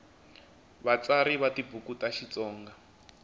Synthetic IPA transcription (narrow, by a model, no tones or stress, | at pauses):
βat͡saɾiβatibukutaʃit͡sɔːŋɡa